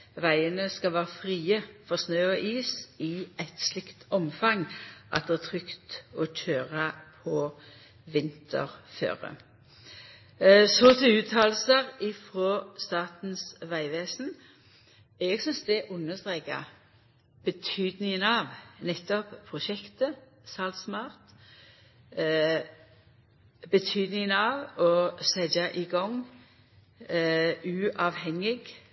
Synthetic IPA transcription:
ʋæɪənəskɑʋæːʁəfʁiːəfɔʁsnøːɔʔiːsɪæt̪slɪkt̪ɔmfɑŋʔɑ̰t̪̚d̪ɛːæt̪ʰʁʏkt̪ɔc͡çʰøːʁəpʰɔ | ʋɪnt̪ʰə̰ʁfø̰ːʁə̰ | sɔt̪ʰɪʉːt̪ʰɑːlsəʁɪfʁoːst̪ɑːt̪n̩sʋæɪʋeːsn̩ | ɛɡsʏnsd̪ɛʔʊnːəst̪ʁeːkɑ̰ | b̥ət̪ʰyːd̪nɪŋənɑʋnɛt̪ːɔppʰːʁʊʃɛkt̪ə | sɑlt̪smɑːʁt̪ | bət̪ʰyːd̪nɪŋənɑːʋɔsɛd͡ʒɑʔɪɡɔŋ | ʉːʔɑʋhɛŋːɪɡ

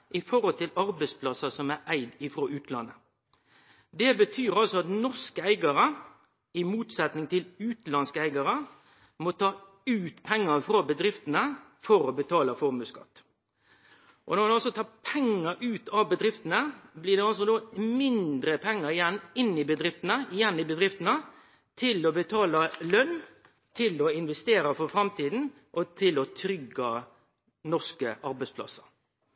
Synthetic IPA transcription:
ʔɪfɔɾɔlt̪ɪlɑɾbɛɪspʰlɑsɑsɔmæɾʔæɪd̪ɪfɾoːʉːt̪lɑ̰nːə | d̪ɛbət̪ʰyːɾɑlsɔɑt̪nɔskəæɪɡɑɾə | ɪmuːt̪sɛt̪nɪŋt̪ʰɪlʉːt̪lɑnskəæɪɡɑɾə | mɔt̪ʰɑː | ʉːt̪pʰɛŋːəfɾoːbəd̪ɾɪft̪ənə | fɔɾɔbət̪ʰɑːləfɔmʉːskɑ̰t̪ː | ʔɔnɔmd̪ɑlsɔt̪ʰɑːpʰɛŋːəɾʔʉːt̪ʰɑʋbəd̪ɾɪft̪ənəblɪːʁd̪ɛɑls̬ɔd̪oːmɪnd̪ɾəpʰɛŋːəɾɪjɛnːɪnːɪbəd̪ɾɪft̪ənəɪjɛnːɪbəd̪ɾɪft̪ənə | t̪ʰɪlɔbət̪ʰɑːlɑlœnː | t̪ʰɪlɔɪnʋɛst̪eːɾəfɔɾfɾɑmt̪ʰiːd̪n̩ | ʔɔt̪ʰɪlɔt̪ʰɾʏɡːɑ | nɔʁskəʔɑɾbɛɪspʰlɑ̰sə̥

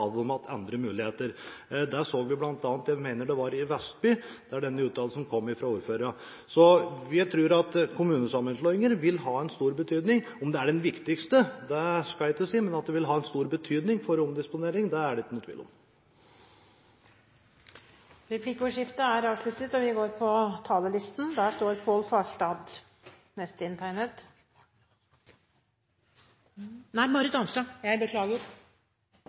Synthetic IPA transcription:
d̪ɔmɑt̪ʰɛ̰nd̪ɾəmʉːlɪheːt̪əɾd̪æsoːɡʋɪblɑnt̪ɑːnt̪jæɪmæɪnəɖɛʋɑɾɪʋɛst̪̚byːd̪̥ɛæɖɛnːəʉːt̪ʰɑːləsɔmkʰɔmːɪfɾɑuːɾføːɾəɾə | sɔʋɪt̪ʰɾuːɾɑt̪kʰʊmʉːnəsɑmːənslɔɪŋəɾʋɪlɦɑːɛnst̪uːɾbət̪ʰyːd̪nɪŋ | ɔmd̪ɛæɖɛnʋɪkt̪ɪkst̪əd̪ɛskɑlæɪkːəsiːmɛnɑt̪̚d̪ɛʋɪlɦɑːɛnst̪uːɾbət̪ʰyːd̪nɪŋfɔɾɔmd̪ɪspʊneːɾɪŋd̪ɛæɖɛt̪nət̪ʰʋḭːlɔ̰m | ɾɛpʰliːkəʊːʂɪft̪əæɾɑːʋslʉt̪ət̪ɔʋɪɡoːɾpʰɔt̪ʰɑːləlɪst̪nd̪æʂt̪oːɾpʰoːlfɑːʂʈɑːd̪ | nɛst̪əɪnt̪ʰæɪnət̪ | næɪmɑɾɪt̪ɑnsɑjæɪbəkʰlɑːɡə

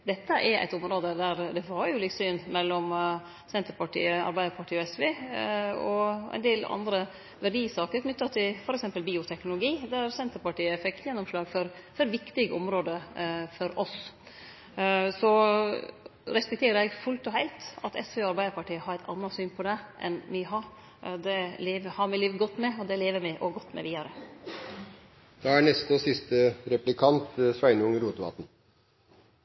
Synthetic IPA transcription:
d̪ɛt̪ːəʔɛɾæ̰ɪt̪ɔmɾoːd̪əd̪æɾd̪ɛʋɑɾjʊlɪk̪syːnmɛlːɔm | sɛnt̪əɾpɑʈḭːəɑ̰ɾbæɪd̪əɾpʰɑʈʰiːɔɛsʋeː | ɔʔɛ̰ɪnd̪eːlɑ̰nd̪ɾə | ʋæɖiːsɑːkəɾkʰnʏt̪ːɑt̪ʰɪlfɔɾɛksɛmpəlbiːʊt̪ʰɛknʊlʊɡiːd̪æɾsɛnt̪əɾpɑʈiːəfɛkːjɛnːɔmʂlɑːɡfɔɾ | fɔɾʋɪkt̪ɪɡəɔmɾoːd̪əfɔɾɔs | sɔ | ɾɛspɛkt̪ʰeːɾəɾɛɡfʉlt̪ɔhæɪlt̪ɑt̪ʰɛ̰sʋeɑɾbæɪəɾpɑʈiːəhɑɾæɪt̪ʰɑ̰nːɑsyːnpʰɔd̪ɛʔɛ̰nʋɪɦɑɾ | d̪ɛleːʋəhɑɾmɪliːʋɡɔt̪ːmɛɔd̪ɛleːʋəmɪʔɔɡɔt̪ːmɛ̰ʋiːd̪ɑɾə | d̪̥ɑːæɳɛst̪osɪst̪əɾɛplɪkʰɑnt̪sʋæɪnəʊŋəɾuːt̪əʋɑ̰ːt̪n̩

